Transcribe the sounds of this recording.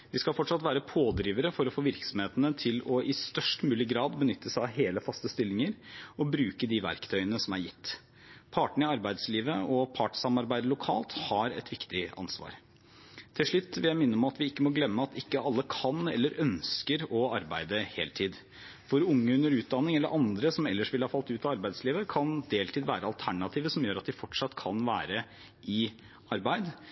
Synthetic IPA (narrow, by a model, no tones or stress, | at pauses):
ʋɪskɑlfɔʈʂɑt̪ʋæːɾəpʰoːd̪ɾiːʋəɾəfɔɾɔfoːʋɪɾksɔmheːt̪ənət̪ʰɪlɔʔɪst̪œʂʈmʉːlɪɡɾɑːd̪bənʏt̪ːəsæɪɑʋɦeːləfɑst̪əst̪ɪlːɪŋəɾɔbɾʉːkəd̪iʋæ̰ɾkt̪ʰœʏənəsɔmæɾjɪt̪ː | pʰɑːʈɳ̩ɪɑɾbæɪd̪sliːʋəɔpʰɑːʈsɑmɑɾbæɪd̪əlʊkʰɑ̰ːlt̪hɑɾɛ̰t̪ʋɪkt̪ɪɑ̰nsʋɑ̰ːɾ | t̪ʰɪlʂɭʉt̪ːʋɪljæɪmɪnːəɔmɑt̪ʋɪɪkːəmɔɡlɛmːəɑt̪ɪkːəɑlːəkʰɑnɛ̰lːəɾʔœnskəɾɔɑɾbæɪd̪əhḛːlt̪ʰiːd̪ | fɔɾʊŋːəʉnːəɾʉːt̪̚d̪ɑnːɪŋɛlːəɾʔɑnd̪ɾəsɔmɛlːəʂʋɪlhɑːfɑlt̪ʉːt̪ɑɑɾbæɪd̪sliːʋəkʰɑnd̪eːlt̪ʰiːd̪ʋæːɾəɑlt̪ʰæɳɑt̪ʰiːʋəsɔmjøːɾɑt̪̚d̪ɪfɔʈʂɑt̪ːkʰɑnʋæ̰ːɾə | ɪ | ɑɾbæɪd̪